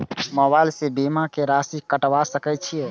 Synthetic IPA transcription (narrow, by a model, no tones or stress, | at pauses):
məbajlsebimakeɾasikəʈʋasəkɛt̪̚t͡ʃʰije